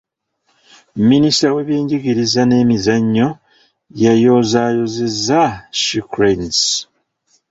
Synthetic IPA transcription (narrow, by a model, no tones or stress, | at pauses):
minisawe̞βjeːɲɟiɡiɾizane̞ːmizaɲːo̞ | jajo̞zaːjo̞zezaʃikɾens